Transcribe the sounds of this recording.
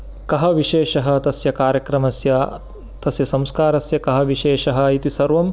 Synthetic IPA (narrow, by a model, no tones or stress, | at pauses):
kɐɦɐʋiʃeːʃɐɦɐ̆t̪ɐsjɐkaːɾjɐkɾɐmɐsjɐ | t̪ɐsjɐsɐ̃mskaːɾɐsjɐkɐɦɐʋiʃeːʃɐɦɐ̆it̪isɐɾʋɐm